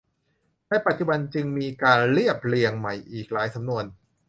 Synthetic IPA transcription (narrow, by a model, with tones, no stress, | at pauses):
tɛ˦˥˩pa˨˩t̪̚t͡ɕu˨˩ba˧nt͡ɕɯ˧ŋmiː˧kaː˧nɾi˥˩əp̚li˧əŋma˨˩jʔiː˨˩k̚laː˩˦˥jsa˩˦mnu˧ən